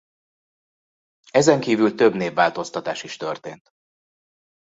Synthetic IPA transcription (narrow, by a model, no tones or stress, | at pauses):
ɛzɛŋkiːvylt̪ø̞bneːvːaːlt̪o̞st̪ɒt̪aːʃiʃt̪ørt̪eːnt̪